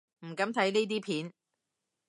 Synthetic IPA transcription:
m̩˨˩kɐ˨˧˥mt̪ʰɐ˨˥jneː˥t̪̬iː˥pʰiː˨˥n

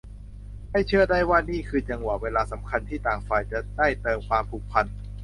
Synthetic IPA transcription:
ha˥˩jt͡ɕʰɯ˥˩ɐda˥˩jwaː˥˩niː˥˩kʰɯː˧t͡ɕa˧ŋwaː˨˩weː˧laː˧sa˩˦mkʰa˧nt̪ʰiː˥˩t̪aː˨˩ŋfaː˧jt͡ɕa˨˩da˥˩jt̪ɤː˧mkʰwaː˧mpʰuː˨˩k̚pʰa˧n

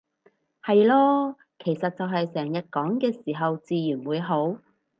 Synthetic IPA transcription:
hɐ˨jlɔː˧ | kʰe˨˩jsɐ˨t̚t͡sɐ˨wɦɐ˨jsɛː˨˩ŋjɐ˨t̚kɔː˨˥ŋkɛː˧siː˨˩ɦɐ˨wt͡siː˨˧jyː˨˩nwuː˨˧jɦo˨˥w

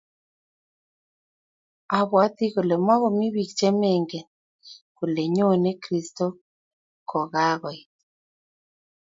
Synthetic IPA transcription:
a˨βwa˦t̪i˦ɣo˨le˨ma˦ɣɔ˨mi˦βi˨kt͡ʃɛ˦me˦˨ŋɡe˨ | ko˨le˨ɲo˦˨ne˦kɾi˨sto˦ | kʰɔ˨ɣa˦ɣɔ˨i˨

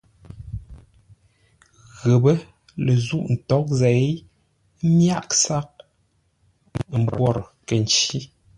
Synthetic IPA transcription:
ɣə˨bə˦ | lə˨zu˦˨ʔn̩˨tɔ˨˦k̚zɛ˨˦ | mja˦˨k̚sa˦k̚ | m̩˨bwɔ˦˨ɾkə˨n˨t͡ʃi˦

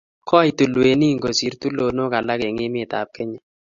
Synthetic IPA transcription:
kʰɔ˦i˨tu˨lwe˨ni˦˨ŋɡo˨si˨ɾtu˦lo˨no˦ka˨la˦ke˨ŋɪ˦mɪ˦˨ta̰˨p̚ke˦ɲɛ˨

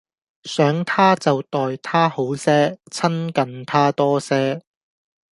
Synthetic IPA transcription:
sœː˨˥ŋt̪ʰaː˥t͡sɐ˨wt̪ɔː˨jt̪ʰaː˥ho˨˥wsɛː˥t͡sʰɐ˥nkɐ˨nt̪ʰaː˥t̪ɔː˥sɛː˥

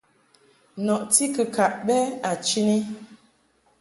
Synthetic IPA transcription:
nɔ˨ʔti˦kə˨ka˨ʔɓɛ˦a˨t͡ʃi˦ni˦

